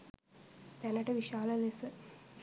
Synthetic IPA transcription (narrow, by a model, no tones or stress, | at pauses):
t̪ɛnɐʈɐʋiʃaːlɐlesɨ